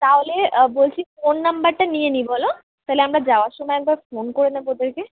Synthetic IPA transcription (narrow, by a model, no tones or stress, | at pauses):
t̪aɦolebolt͡ɕʰifonːambaɾʈanijenibolo | t̪aɦeleamɾad͡ʑaoaɾʃɔmɔeɛk̚baɾfonkoɾenabod̪eɾke